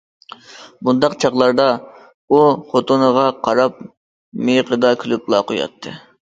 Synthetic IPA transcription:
bund̪ɑqt͡ʃʰɑʁlˠɑɾd̪ɑ | uχot̪ʰonəʁɑqʰɑɾɑp̚ | mejqəd̪ɑkʲʰylyp̚lˠɑqojɑ̰t̪ʰːɨ̰

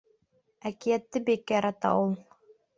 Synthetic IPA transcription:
ækijæt̪ːɘbikːæjɑɾɑt̪ɑ̰ulˠ

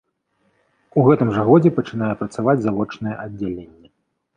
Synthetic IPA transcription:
uɣɛt̪ɨmʐɐɣɔd͡zʲɛpɐt͡ʂɨn̪ajɛpɾɐt̪savad͡zʲzavɔt͡ʂnɐjɛʔɐdd͡zʲːalʲenʲːɛ

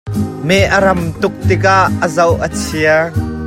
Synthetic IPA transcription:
mɛʔəɾɐmt̪ʊk̚t̪ɪk̬aʔːəzɐwʔət͡sʰiə

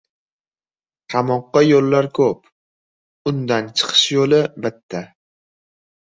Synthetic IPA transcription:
qʰɑmɒqːɑjolːaɾkʰɵp̚ | ʊnd̪ant͡ʃʰɨ̥qʰɨ̥ʃjolɪbɪt̪ʰːa

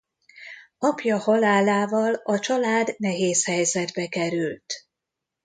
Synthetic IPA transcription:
ɒpjɒhɒlaːlaːvɒlɒt͡ʃɒlaːd̪nɛɦeːshɛjzɛd̪bɛkɛɾylt̪

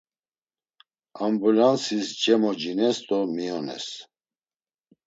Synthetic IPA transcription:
ambulansisd͡ʒɛmɔd͡ʒinɛst̪ʼɔmiɔnɛ̰s

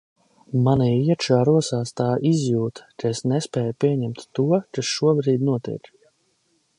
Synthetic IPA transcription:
maniiɛt̪ʃaːɾuɔsaːst̪aːʔizjuːt̪kaesnɛspɛːjupʲiɛɲɛmt̪ːuɔkasʃuɔbɾiːd̪ʲnuɔt̪ḭk

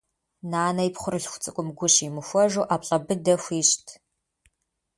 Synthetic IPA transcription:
naːnɐipχʷʊɾɨɬxʷʊ̥t͡sʼɨkʷʼʊmɡʷʊɕimɨxʷɔʒuːʔaːpɬʼɐbɨdɐxʷiːɕtʰ

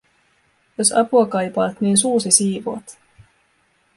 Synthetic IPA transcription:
jo̞sɑ̰puɑkɑjpɑːt̪niːnsuːsisiːʋo̰ːt̪

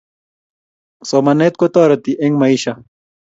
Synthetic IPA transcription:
somɐnet̪̚kot̪ɔːɾɐt̪iʔeŋmɐiɕɐ

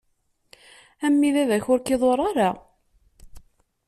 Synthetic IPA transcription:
æmːiðæðæçʊɾkiðˤoɾˤaɾa

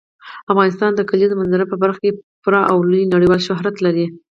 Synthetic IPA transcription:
afɣɑnɪst̪ɑnd̪əkalizəmanzaɾapəbaɾxakepʊɾɑʔawlujinaɽijwɑlʃʊɦɾat̪laɾi

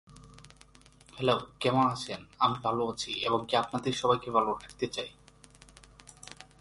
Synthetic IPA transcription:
hɛlowkɛmoanat͡ɕʰenamibʱaloat͡ɕʰieboŋkeapnad̪eɾʃɔbajkebʱaloʈʰak̚t̪et͡ɕaj

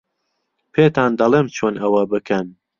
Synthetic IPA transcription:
pʰeːt̪aːnd̪ɐlˠeːmt͡ʃʰoːnɐwɐbɨkʰɐn

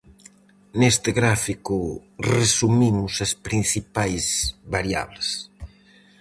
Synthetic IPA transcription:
nest̪ɪɣɾafikʊresumimʊsɐspɾinθipajzβaɾja̰βlɪs

